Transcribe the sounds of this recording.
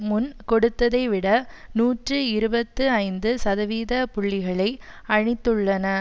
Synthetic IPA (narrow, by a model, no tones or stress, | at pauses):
mʊnkɔɽɯt̪ːɐðɐɪʋɪɽɐnuːʈrɯɪɾɯbɐt̪ːɯɐɪnd̪ɯsɐðɐʋiːðɐpʊɭːɪɣɐɭɐɪɐɻɪt̪ːɯɭːɐnɐ